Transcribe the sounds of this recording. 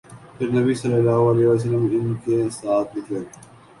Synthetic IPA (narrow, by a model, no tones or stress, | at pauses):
pʰɪɾnɐbisɐlːəlːaːɦoɐlɛːɦʋaːs̬əlːəmɦɪnkesaːt̪ʰlɪkʰə